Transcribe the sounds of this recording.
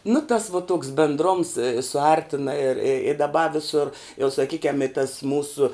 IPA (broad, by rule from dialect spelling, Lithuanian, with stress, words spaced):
nʊ tɐs ʋoː toːks bʲɛndˈroːms sʊˈɐrʲtʲɪnɐ ɪr ɪ ɪ dɐˈbɐ ʋʲɪˈsʊr jɛʊ sɐˈkʲiːkʲɛm ɪ tɐs ˈmuːsʊ